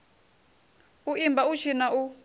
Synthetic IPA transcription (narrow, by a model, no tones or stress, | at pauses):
uimbaut͡ʃʰinaʔu